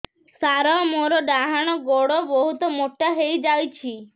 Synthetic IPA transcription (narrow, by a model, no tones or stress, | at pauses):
saɾɔmoɾɔɖaɦaɽ̃ɔɡoɽɔbɔɦut̪ɔmoʈːaɦejd͡ʒajt͡ʃʰi